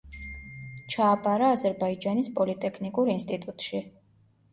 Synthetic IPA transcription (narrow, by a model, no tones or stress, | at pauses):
t͡ʃʰaːpʼaɾaːzɛɾbaid͡ʒanispʼɔlit̪ʼɛkʰnikʼuɾinst̪ʼit̪ʼut̪ʼʃi